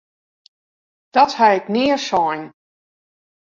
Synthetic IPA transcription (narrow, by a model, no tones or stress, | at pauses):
d̥ɔthaɪknɪəsɔjn